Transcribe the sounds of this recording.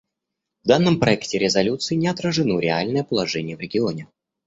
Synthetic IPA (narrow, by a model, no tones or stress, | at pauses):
vd̪anːəmpɾɐɛktʲɪɾʲɪzɐlʲut̪sɨɪnʲɪɐt̪ɾəʐɨnoɾʲɪalʲnəjəpəlˠɐʐɛnʲɪjəvɾʲɪɡʲɪonʲɪ